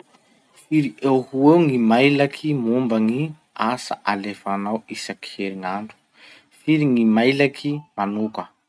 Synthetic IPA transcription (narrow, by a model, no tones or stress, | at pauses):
fiɾiʔewhuewŋimajlakʰimumbəŋi | asa̰ʔalefanawisaki̥heɾiŋaɳɖ͡ʐu̥ | fiɾiŋimajlakʰimanukə